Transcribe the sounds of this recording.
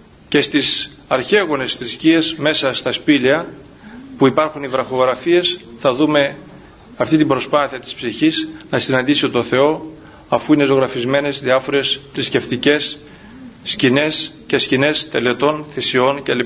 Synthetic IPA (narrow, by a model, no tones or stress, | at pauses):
ce̞st̪is | ɐɾçe̞ɣone̞sθɾiscie̞zme̞sɐst̪ɐspiliɐ | puipɐɾxunivɾɐxo̞ɣɾɐfie̞sθɐðume̞ | ɐft̪it̪ibɾo̞spɐθiɐt̪ispsiçisnɐsinɐnd̪isiot̪o̞θe̞o̞ | ɐfuinezo̞ɣɾɐfizme̞ne̞zðiɐfo̞ɾe̞sθɾisce̞ft̪ice̞sː | cine̞s | ce̞scine̞st̪e̞le̞t̪o̞nθisio̞nceli